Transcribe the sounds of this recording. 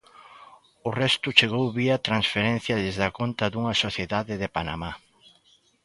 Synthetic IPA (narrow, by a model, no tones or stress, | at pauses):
ʊrɛst̪ʊt͡ʃeɣowβiat̪ɾansfeɾɛ̃n̟θjɐðezðɐkont̪ɐðuŋɐsoθjeðaðɪðepana̰ma